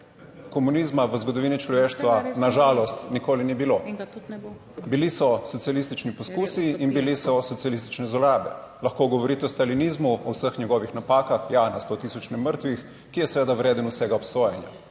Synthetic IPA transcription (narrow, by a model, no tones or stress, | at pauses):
kɔmunizmaʋəzɡɔd̪ɔʋiːnit͡ʃlɔʋeːʃt̪ʋanaʒaːlɔst̪nikoːlinibilo | bilisɔsɔt̪sialist̪it͡ʃnipɔskuːsiːnbilisɔsɔt̪sijalist̪i̥t͡ʃnɛzɔɾaːbɛ̰lɐxkoːɡɔʋɔɾiːt̪ɛɔst̪alinizmuɔwsəxɲɛɡɔːʋixnapaːkaxjanast̪ot̪iːsɔt͡ʃnɛməɾt̪ʋix | kijɛsʋeːd̪awɾeːd̪ənusɛɡaɔpsoːjɛnja̰